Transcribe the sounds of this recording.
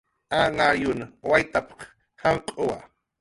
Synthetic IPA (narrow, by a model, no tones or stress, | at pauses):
anajʊnawajt̪apɑ̥χ | haɴqʼowa̰